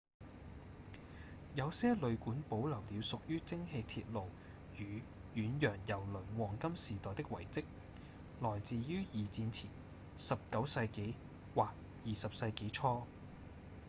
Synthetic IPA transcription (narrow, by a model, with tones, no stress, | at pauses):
jɐ˨˧wsɛː˥lɵ˨˧ɥkuː˨˥npo˨˥wlɐ˨˩wliː˨˧wsʊ˨k̚jyː˥t͡sɪ˥ŋhe˧jt̪ʰḭː˧t̚lo˨w | jyː˨˧jyː˨˧njœː˨˩ŋjɐ˨˩wlɵ˨˩nwɔː˨˩ŋkɐ˥msiː˨˩t̪ɔː˨jt̪ɪ˥k̚wɐ̰˨˩jt͡sɪ˥k̚ | lɔː˨˩jt͡siː˨jyː˥jiː˨t͡siː˧nt͡sʰiː˨˩n | sɐ˨p̚kɐ˨˥wsɐ˧jke˨˥j | waː˨k̚ | jiː˨sɐ˨p̚sɐ˧jke˨˥jt͡ʃʰɔː˥